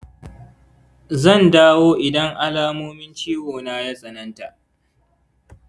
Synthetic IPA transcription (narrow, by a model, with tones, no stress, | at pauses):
zɐ˦˨ndaː˦woː˦ʔɪ˨dɐ˦ŋʔa˦laː˦moː˦mɪ˦nt͡ʃiː˦woː˨naː˦ja˦sʼɐ˨nɐ˦nta˨ʔ